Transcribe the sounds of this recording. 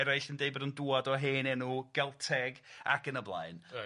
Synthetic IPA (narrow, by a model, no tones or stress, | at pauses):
ɛɾajɬəndeɨbɔdənduːadɔɦeːnɛnuɡ̥ɛlˠtʰɛɡa̰ɡənəblˠa̰ɨn